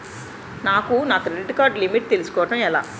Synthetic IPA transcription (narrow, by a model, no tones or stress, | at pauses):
naːkunaːkuɾeɖkaːɾɖlimiʈ̚t̪elusu̥kɔːʋɐʈɐmɛla̰ː